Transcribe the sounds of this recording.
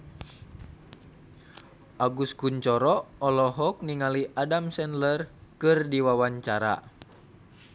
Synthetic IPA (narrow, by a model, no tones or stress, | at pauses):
ʔaɡuskuɲt͡ʃɔɾɔɔlɔɦɔk̚niŋaliʔadamsɛnlərkɨrdiwawaɲt͡ʃaɾa̰